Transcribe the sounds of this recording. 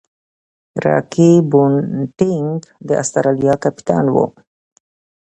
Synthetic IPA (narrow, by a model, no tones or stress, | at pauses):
ɾɑ̰kibunʈɪŋɡd̪əʔa̰st̪aɾalijɑkapi̥t̪ɑ̰nwo̰